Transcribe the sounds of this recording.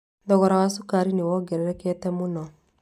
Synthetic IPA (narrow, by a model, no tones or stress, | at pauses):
ndɔɣɔɾawasukaɾiniwɔɡɛɾɛɾɛkɛtɛmunɔ